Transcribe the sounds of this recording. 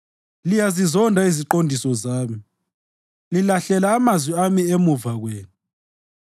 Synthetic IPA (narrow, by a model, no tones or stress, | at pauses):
lijazizɔndʱaiziǃondʱisɔzaːmi | lilaɬɛlaːmazwiamiemuvaɣweːnu